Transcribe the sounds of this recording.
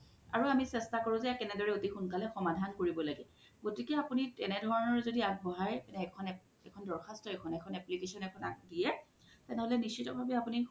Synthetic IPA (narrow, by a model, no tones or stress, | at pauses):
a̰ɹuamisɛstakoɹũzɛkɛnɛdɔɹɛotixunkalɛxɔmadʱankoɹibɔlaɡɛ | ɡotikɛapuniɛnɛdʱɔɹɔnɔɹzodiakbʱɔɦaɹɛnɛkʰɔn | ɛkʰɔndɔɹxʰastɔɛkʰɔnɛkʰɔnɛplikesɔnɛkʰɔnadijɛ | tɛnɛɦolɛnist͡ʃʰitɔbʱabɛapuni